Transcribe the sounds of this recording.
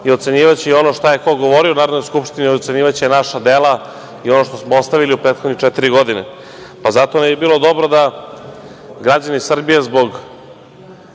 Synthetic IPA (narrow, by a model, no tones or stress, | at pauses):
io̞t̪se̞ɲiːʋat͡ɕeo̞noʂt̪ajeko̞ɡo̞ʋoɾiounaːɾad̪nojskupʂt̪iniot̪se̞ɲiːʋat͡ɕejenaʃad̪elˠa | io̞no̞ʃt̪o̞smoost̪aʋiliupɾeːt̪xonit͡ʃɛt̪iɾiɡo̞d̪ine | pazat̪o̞najebiːlˠo̞d̪o̞bɾod̪a | ɡɾad͡ʑanisr̩bijezbo̞ɡ